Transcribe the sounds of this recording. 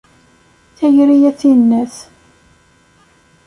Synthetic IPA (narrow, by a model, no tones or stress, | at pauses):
θæjɾijæθinːæθ